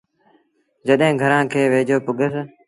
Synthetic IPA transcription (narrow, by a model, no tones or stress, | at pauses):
d͡ʒəɗɦẽːɡʱəɾãːkʰeːʋeːd͡ʒoːpʊɡʱəs